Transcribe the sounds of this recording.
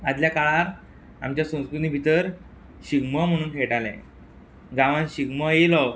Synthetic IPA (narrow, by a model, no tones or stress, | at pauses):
ad̪ljakaɭaɾ | a̰mt͡ɕjasə̃w̃skɾut̪niːbʱit̪əɾ | ɕiɡməm̤əɽ̃uːnkʰeʈalɛ̰̃ | ɡãʋãnɕiɡməjelɔw